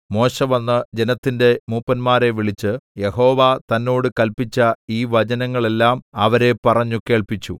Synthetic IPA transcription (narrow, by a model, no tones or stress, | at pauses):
mo̞ːɕɐʋɐnːɨd͡ʑe̞nɐt̪ːinde̞muːpːɐnmaːɾe̞ʋiɭit͡ɕːɨje̞ho̞ːʋat̪ɐnːo̞ːɽɨkɐlpit͡ɕːɐiːʋɐd͡ʑɐnɐŋːɐɭe̞lːaːmɐʋɐɾe̞pɐrɐɲːuke̞ːɭpit͡ɕːu